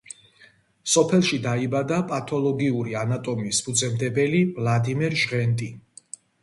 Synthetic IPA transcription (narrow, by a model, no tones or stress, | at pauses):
sɔpʰɛlˠʃid̪aibad̪apʼat̪ʰɔlˠɔɡiuɾianat̪ʼɔmispʰud̪sʰʼɛmd̪ɛbɛlivlˠad̪imɛɾʒʁɛnt̪ʼi